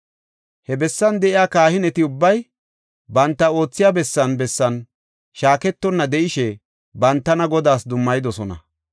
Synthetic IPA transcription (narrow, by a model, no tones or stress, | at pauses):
hɛbɛsːɐnd̪ɛʔɪjaːkaːhɪnɛt̪ɪʊbːɐj | bɐnt̪ːɐo̞ːt͡sːɪjaːbɛsːɐnbɛsːɐn | ʃaːkɛt̪ːɔnːɐd̪ɛʔɪʃɛ | bɐnt̪ːɐnɐɡɔd̪aːsd̪ʊmːɐjɪd̪ɔsɔnɐ̰